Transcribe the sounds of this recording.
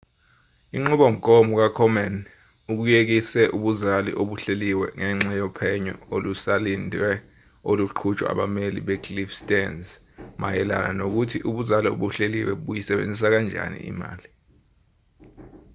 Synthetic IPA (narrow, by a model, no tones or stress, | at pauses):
iŋ͡ǃuɓom̩k̬ʼomuk̬akʰɔmɛn | uk̬ujek̬isɛʔuɓuzalḭʔoɓuɬeliwɛŋɛŋ͡ǁajɔpʰɛɲɔ̰olusalindʱwɛ | oluǃʰut͡ʃʼa̰a̰ɓamelḭɓɛklifstʼɛnz | majɛla̰nanok̬utʰiʔuɓuzalioɓuɬeliwɛɓujisɛɓḛnd͡zʱisak̬and͡ʒʱa̰nḭḭma̰ːli